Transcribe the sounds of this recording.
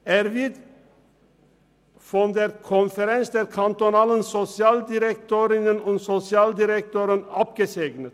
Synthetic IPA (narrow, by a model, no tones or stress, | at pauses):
eːɾʋɪd̪ | fɔnd̪eːɾkʰɔnfəɾɛnsd̪eːɾkʰɑnt̪ɔnɑːlənsɔsɪɑːld̪ɪɾɛk̚t̪ʰoːɾɪnənʊnt̪sɔsɪɑːld̪ɪɾɛk̚t̪oːɾənɑp̚ɡ̥əseːɡnət̪